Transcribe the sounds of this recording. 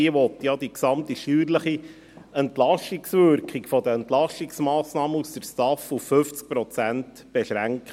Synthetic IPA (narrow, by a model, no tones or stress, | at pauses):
iəʋɔt̪jɑd̪iksɑmt̪iʃyːɾləχi | ɛnt̪lɑʃiksʋʏɾkχikfɔd̪əɛnt̪lɑʃiksmɑːsnɑːməust̪əɾstɑfufːʏft͡sk̚pɾɔt͡sænt | b̥ɛʃɾæŋk